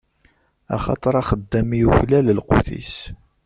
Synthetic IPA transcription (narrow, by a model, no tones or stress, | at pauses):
ɑ̰χɑ̰t̪ˤɑɾˤɑχəd̪ːæmijuçlæləlqṵθḭs